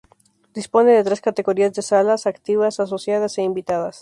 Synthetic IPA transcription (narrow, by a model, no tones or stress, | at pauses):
d̪ispo̞ne̞ðe̞t̪ɾe̞skat̪e̞ɣo̞ɾiazðesalasakt̪iβasas̬o̞sjað̞aseimbit̪aðas